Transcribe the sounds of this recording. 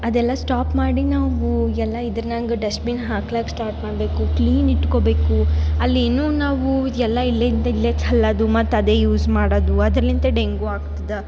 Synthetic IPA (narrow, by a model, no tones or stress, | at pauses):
ɐd̪ɛlːɐsʈaːpmaːɽinaːʋuɛlːɐid̪ɐɾnɐŋɡɐɖɐsʈbinɦaːklaːksʈaːɾʈmaːɽbe̞ːkukliːniʈko̞be̞ːkuɐlːeːnuːnaːʋuɛlːɐilːɐint̪ɐileksɛlːɐd̪umɐt̪ːɐd̪eːjuːsmaːɽoːd̪uɐd̪ɾɐlːint̪ɐɖe̞ŋɡuaːɡt̪id̪ɐ